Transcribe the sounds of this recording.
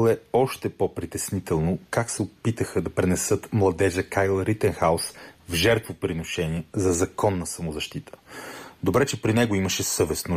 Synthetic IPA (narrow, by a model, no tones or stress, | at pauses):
lˠɛɔʃt̪ɛpopɾit̪ɛsnit̪ɛlˠnokaksɛopit̪əxəd̪ɐpɾɛnɛsɤt̪mlˠɐd̪ɛʒəkajlˠɾit̪ənxaʊsvʒɛɾt̪vopɾinoʃɛniɛzɐzɐkɔnːɐsɐmozɐʃt̪it̪ʰə̥d̪obɾɛt͡ʃɛpɾinɛɡoiməʃɛsɤvɛsno